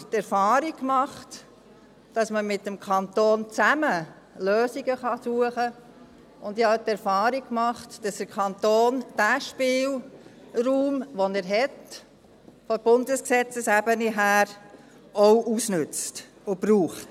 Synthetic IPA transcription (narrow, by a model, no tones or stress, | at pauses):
tɛɾfɑːɾikmɑχt | d̥ɑsməmɪtːəmkʰɑntoːnt͡sæmə | løːsiɡəχɑsuəχə | ʊndɪhɑtɛɾfɑːɾikkmɑχtd̥ɑsd̥̪əkʰɑnt̪oːnd̥æːʃpɪːl | ruːmʋɔnɛɾɦɛt | fɔb̥ʊndəsksɛt͡səsæb̥əniɦæːɾ | ɔʊʔusnʉt͡st | ʊbɾuːχt